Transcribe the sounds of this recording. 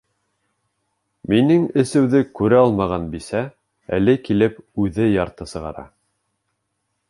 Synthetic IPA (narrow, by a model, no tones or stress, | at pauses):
minɘŋɘ̆sɘ̆wðɘkʉɾæɑlˠmɑʁɑnbisæ | æ̰lɘkilɘpʉðɘjɑɾt̪ɤsɤ̆ʁɑ̰ɾɑ̰